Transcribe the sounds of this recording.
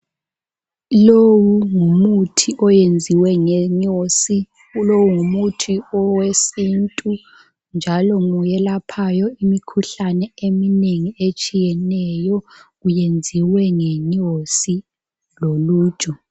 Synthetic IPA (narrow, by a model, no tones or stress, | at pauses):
lowuŋumutʰiʔɔjend͡zʱiwɛŋɛɲosi | ulowuŋumutʰiɔwesintʼu | nd͡ʒʱalɔŋujɛlapʰajɔimikʰuɬanɛemineŋiet͡ʃʼijɛnɛjɔɣujend͡zʱiwɛŋɛɲosi | loluːd̥ʒ̥ʱu